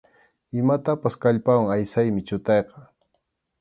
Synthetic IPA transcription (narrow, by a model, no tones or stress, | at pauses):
ɪmat̪apaskaʎpawaŋajsajmɪt͡ʃʊt̪ɑjqɑ